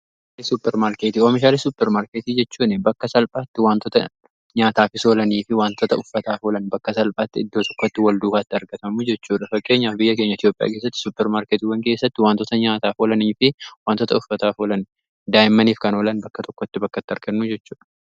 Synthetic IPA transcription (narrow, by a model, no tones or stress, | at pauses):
lɪsʊpːɛɾmaːɾkeːt̪iːoːfɪʃaːlɪsʊpːɛɾmaːɾkeːt̪iːd͡ʒɛt͡ʃːuːnɪbɐkːɐsɐlpʼaːt̪ːɪwaːnt̪ɔt̪ɐ̰ | ɲaːt̪aːfɪso̞ːlɐniːfɪwaːnt̪ɔt̪ɐʊfːɐt̪aːfoːlɐnbɐkːɐsɐlpʼaːt̪ːɪɪd̪ːo̞ːt̪ɔkːɔt̪ːɪwɐld̪uːfaːt̪ːɪɐɾɡɐt̪ɐmud͡ʒɛt͡ʃːuːᶑɐfɐkʼːe̞ːɲːaːfbɪjːɐke̞ːɲːɐɪt̪jo̞ːpʼɪja̰ːke̞ːs̬ːɐt̪ːɪ̥sʊpːɛɾmaːɾkeːt̪iwɐŋkeːsːɐt̪ːɪwaːnt̪ɔt̪ɐɲaːt̪aːfoːlɐniːfɪwaːnt̪ːɔt̪ɐʊfːɐt̪aːfoːlɐn | d̪aːjɪmːɐniːfkɐnoːlɐnbɐkːɐt̪ɔkːɔt̪ːɪbɐkːɐt̪ːɪɐɾɡɐnːud͡ʒɛt͡ʃːuːᶑɐ̥